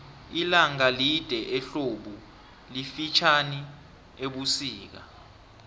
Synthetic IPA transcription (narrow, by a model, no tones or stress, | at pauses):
ilaŋalid̥ʱɛʔɛɬoɓu | lifit͡ʃʰani | eɓusiːk̬a̰